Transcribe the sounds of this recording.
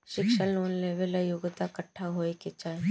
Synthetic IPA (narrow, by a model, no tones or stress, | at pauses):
ʃɪkʃəlːoːnleːʋələjʊɡt̪akəʈʰːaɦoːekɪt͡ʃae